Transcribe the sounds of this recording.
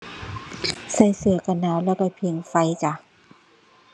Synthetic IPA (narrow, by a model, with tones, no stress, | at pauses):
sa˧˩jsɯ˧˦ɐka˧˩nːaː˧˩wlɛː˧˥˩wkɔ˧˩pʰi˧˩ŋfa˧˥jt͡ɕa˧˩